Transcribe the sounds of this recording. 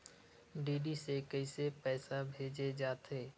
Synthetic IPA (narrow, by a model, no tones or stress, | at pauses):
ɖiːɖisekəɪsepɛːsabʱeːd͡ʒed͡ʒaːt̪eː